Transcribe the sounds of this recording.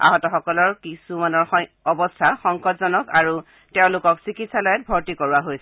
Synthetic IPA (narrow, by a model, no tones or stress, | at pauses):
a̰ɦɔtɔxɔkɔlɔɹkisumanɔɹ | ɔbɔstʰaxɔŋkɔtzɔnɔkaɹu | tɛʊ̃lʊkɔksikitsalɔjɛt̚bʱɔɹtikɔɹuaɦojsɛ